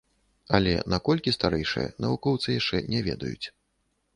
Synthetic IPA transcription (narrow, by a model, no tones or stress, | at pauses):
ɐlʲɛ̰nakɔlʲkʲist̪aɾɛjʂɨ̰jɐ̰nɐvukɔwt̪sɨjaʂt͡ʂɛnʲɛvʲɛd̪ɐjut͡sʲ